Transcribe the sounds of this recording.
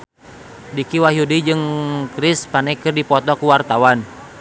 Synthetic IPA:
dikiwaɦjudid͡ʒɨŋkɾispanɛkɨrdipɔt̪ɔkuwart̪awan

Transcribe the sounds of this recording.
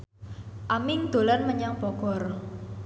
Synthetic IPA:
ʔamɪŋd̪̥o̤lanməɲaŋb̥ɔɡ̥ɔ̤r

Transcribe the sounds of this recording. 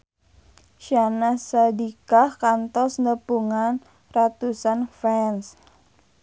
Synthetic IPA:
ʃjanasadikahkant̪ɔsnəpuŋan | rat̪usanfɛns

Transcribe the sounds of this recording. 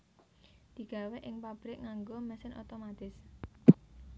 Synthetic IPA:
d̪̥i̤ɡ̥a̤wɛʔɪŋpab̥ɾɪk̚ŋaŋɡomɛsɪnʔo̰t̪omat̪ɪs

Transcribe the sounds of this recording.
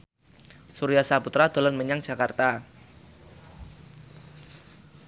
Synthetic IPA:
suɾiasaput̪ɾad̪̥o̤lɔnməɲaŋdd͡ʒ̥a̤kart̪a

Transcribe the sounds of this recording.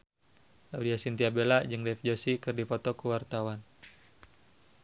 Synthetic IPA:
lawdiasint̪iabelad͡ʒɨŋdɛfd͡ʒosikɨrdipɔt̪ɔkuwart̪awan

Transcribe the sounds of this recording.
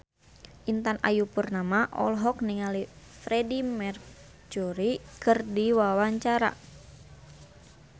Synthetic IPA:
ʔint̪ana̰jupurnamaʔɔ̰lɦɔkniŋali | fɾɛdimɛr | d͡ʒuɾikɨrdiwawaɲt͡ʃaɾa̰

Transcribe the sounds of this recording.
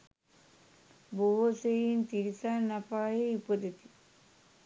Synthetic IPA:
boɦosejint̪iɾisanapaːɦeipəd̪et̪i̥

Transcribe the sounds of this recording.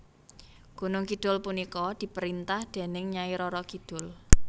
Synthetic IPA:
ɡ̥ṳnʊŋkid̪̥ʊ̤lpunikɔd̪̥i̤pəɾint̪ahd̪̥e̤nɪŋɲaiɾɔɾɔkid̪̥ʊ̤l

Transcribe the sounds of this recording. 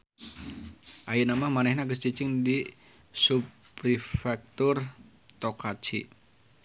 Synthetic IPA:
ʔajinamahmanɛhnaɡəst͡ʃit͡ʃɪŋdi | sup | ɾifɛk̚t̪ʊr | t̪okat͡ʃḭ

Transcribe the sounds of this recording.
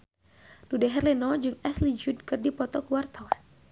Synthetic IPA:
dudɛɦɛrlinɔd͡ʒɨŋɛslid͡ʒud̚kɨrdipɔt̪ɔkəwart̪awan

